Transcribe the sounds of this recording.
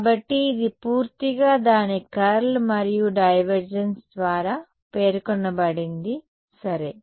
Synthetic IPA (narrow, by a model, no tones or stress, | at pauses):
bɐʈːiːd̪ipuːɾt̪iɡaːd̪aːnikɐɾlmɐɾijuɖɐjʋɐɾd͡ʒɐnsd̪ʋaːɾaː | peːɾkɔnːɐbɐɽind̪i | sɐɾe